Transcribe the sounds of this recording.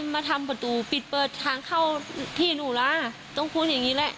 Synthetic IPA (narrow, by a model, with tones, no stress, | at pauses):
maː˧t̪ʰa˧mpa˨˧˩t̪uː˨˩pi˨˩t̪̚pɤː˨˩t̪ʰːaː˧˩ŋkʰa˥˩wt̪ʰiː˥˩nuː˧˩laː˧˥ | t̪ɔ˥˩ŋkʰu˧˥˨njaː˨˩ŋiː˦˥lɛ˦˧˥ʔ